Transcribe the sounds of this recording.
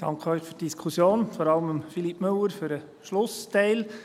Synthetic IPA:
d̥ɑ̰ŋkʰəœʏχfytd̥iskʰusjoːnfɔɾɑləməmfilipːmɵwəɾfyɾə | ʃlʊstɛɪl

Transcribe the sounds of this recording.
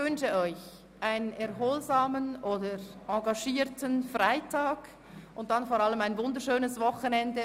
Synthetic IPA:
vʏnʃəɔʏç | ʔaɪnənɛɐɦoːlzaːmənoːdəʔɑɡɑʃiːɾtənfʁaɪtʰaːɡ̥ | ʔʊnt̚d̥anfoːɾaləmaɪnvʊndəɾʃøːnəsvɔxənɛndə

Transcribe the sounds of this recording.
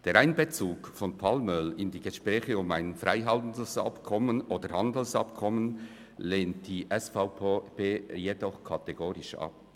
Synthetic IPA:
d̥eːɾaɪnbet͡suːkfɔnpʰalmœlɪndiːɡəʃpʁɛːçəʊmaɪnfraɪɦɑltn̩dəsɑ̰pkʰɔmənoːdəɾhɑndl̩sɑpkʰɔmən | leːntd̥iːʔɛsfaʊpʰːpeːjedɔχkʰɑteɡoːɾɪʃɑ̰p

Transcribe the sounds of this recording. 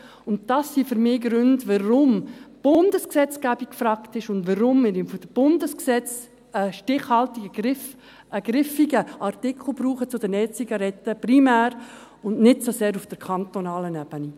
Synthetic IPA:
ʊntd̥ɑsːiːfʏɾmɪːɡɾʏndʋərʊmb̥ʊndəsksɛt͡sɡ̥æb̥ikkfrɑktɪʃʊndʋəɾʊmːɪɾɪmfɔd̥əb̥ʊndəsksɛt͡s | əʃtɪχhɑltiɡəɡɪf | ʔəɡ̥ɾɪfiɡəʔɑrtɪkʰl̩ˠbɾuːχət͡sʊdənɛːt͡siɡɑɾɛtːəprimæːɾ | ʊnnɪtsoseːɾʊfd̥əɾkʰɑntonɑːlənæb̥əni

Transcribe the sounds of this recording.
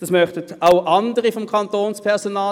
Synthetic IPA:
d̥ɑsmœχtətaʊʔɑndəʁifɔmkʰɑntoːnspʰɛɐsonɑː

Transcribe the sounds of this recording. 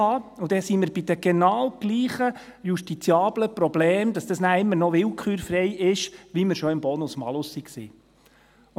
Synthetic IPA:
ɑʊd̪ɛsiːmɪɾbid̪əɡ̥ɛnɑːwɡ̥liːχə | juʃtit͡sjɑːbləpɾɔbleːmd̪ɑsd̥̪ɑsnæːɾɪmːəɾnɔʋɪlkχyːɾfɾɛjʔɪʃʋiməɾʃɔɪmbɔːnʊsmɑ̰lʊsːiksḭː

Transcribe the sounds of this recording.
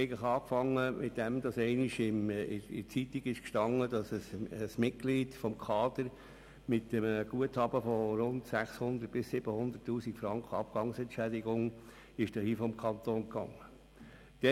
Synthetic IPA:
ɛɪɡəχɑːkfɑŋːəmʔɪtd̥ɛmd̪ɑsɛɪniʃɪmɪɪ̰t͡sitiɡɪʃkʃtɑŋːəd̥ɑsəsəsmɪt̚ɡ̥liːdfɔmkʰɑːd̪̥əɾ | mɪtːəmɡ̥uəthɑbəfɔɾʊntsæχshʊnd̪ərt̚b̥ɪsːɪb̥əhʊnd̪ərtːuːsikfɾɑŋkχəɑb̚ɡ̥ɑŋsɛntʃædɪɡʊŋ | ɪʃd̥ɛhiːfɔmkʰɑnt̪oːnkɑ̰ŋːə | d̥ɛ

